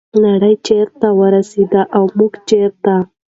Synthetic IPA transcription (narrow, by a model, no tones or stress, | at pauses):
naɽəjt͡ʃeɾt̪awəɾased̪aʔawmuɡt͡ʃeɾt̪a